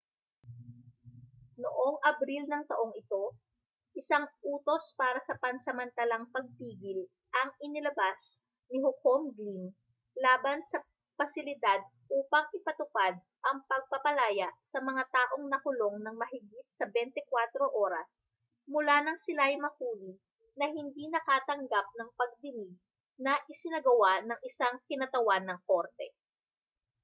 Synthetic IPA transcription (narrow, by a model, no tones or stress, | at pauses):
noʔoŋʔɐbɾilnɐŋt̪ɐʔo̞ŋɪt̪o̞ | ʔɪsaŋʔuːt̪o̞spaːɾɐsɐpɐnsɐmɐnt̪ɐlɐŋpɐɡ̚t̪iːɡɪl | ʔɐŋɪnɪlɐbas | nɪɦʊko̞mɡlin | laːbɐnsɐ | pɐsɪlɪd̪ad̪̚ | ʔuːpɐŋʔɪpɐt̪ʊpad̪̚ | ʔɐŋpɐɡ̚pɐpɐlaːjɐʔsɐmɐŋat̪aːʔo̞ŋnɐkʊlo̞ŋnɐŋmɐɦɪɡit̪̚sɐbɛnt̪ɪkwat̪ɾo̞ʔoːɾɐs | mʊlanɐŋsɪlajmɐhuːlɪ | nɐɦɪnd̪inɐkaːt̪ɐŋɡap̚nɐŋpɐɡ̚d̪ɪnɪɡ̚ | nɐʔɪsɪnɐɡɐwanɐŋʔɪsaŋkɪnɐt̪ɐwanːɐŋko̞ɾt̪ɛ